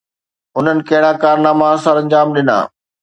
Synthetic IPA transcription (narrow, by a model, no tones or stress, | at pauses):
ʊn̤ənɪ̆kɐɦɪɽ̃ãkaːɾnaːmãsaɾɐ̃ɲd͡ʑaːmɗɪna̰ː